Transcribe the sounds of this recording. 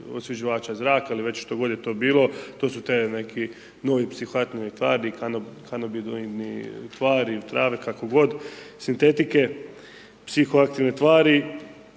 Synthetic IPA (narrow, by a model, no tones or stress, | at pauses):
osʋʲed͡ʑiʋaːt͡ʃazɾaːkailiʋe̞t͡ɕʃt̪o̞ɡo̞d̪jet̪o̞ːbiːlˠo̞t̪oːsut̪ene̞kʰi | no̞ʋipsixoakt̪init̪ʋa̰ːɾikanokʰanobid̪onit̪ʋaːɾit̪ɾaːʋekakoɡo̞d̪sint̪e̞t̪ike̞ | psixoakt̪iʋnest̪ʋaːɾi